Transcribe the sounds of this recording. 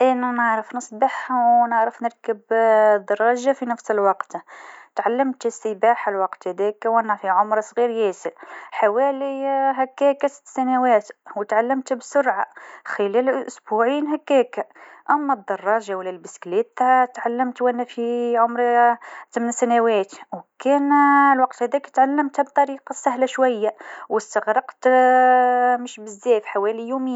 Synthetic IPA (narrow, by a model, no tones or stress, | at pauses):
ʔænænəʕɾəfnəsˤbɑħwnəʕɾəfnəɾˤkəbd̪ɑrˤːɑʒafinəfsəlwɑqt̪t̪ʕalːəmt̪səbaħalwɑqt̪hæd̪ækwʔænæfiʕʊmɾsˤɣiɾjæsəlħawæliɦækːækæsə̥t̪ːsænæwæt̪wt̪ʕalːəmt̪bsʊɾʕaxəlælʔʔʊsbuʕinɦækːækæʔæmːæd̪ˤːɑrˤːɑʒawlːælbəsklit̪t̪ʕalːəmt̪wʔænːæfiʕʊmɾt̪əmnsænæwæt̪wkænlwɑq̚t̪hæd̪ækt̪ʕalːəmt̪hæb̚t̪ˤɑɾiqɑsæhlaʃwæjːawəst̪əɣɾˤɑqt̪ | məʃbəzːæfħawælijumiː